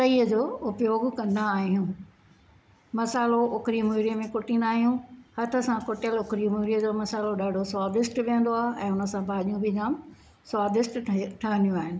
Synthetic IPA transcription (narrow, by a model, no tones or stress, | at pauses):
pɐiːəd͡ʑoːʊpjoːɡkɐ̃nd̪aːɦijũ | mɐsaːloʊkɾimuɾijəmẽkʊʈĩːnd̪aːɦijũhɐt̪ʰə̆sãkʊʈjəlʊkɾimuɾijəd͡ʑoːmɐsaːloɗaːɖʱoswaːd̪ɪsʈʋiə̃nd̪oaːɦɪɛ̃ːʊnə̆sãbʱaːʄijũbʱɪd͡ʑaːm | swaːd̪ɪsʈʈʰɐɦə̃nijũaːɦɪnɪ̆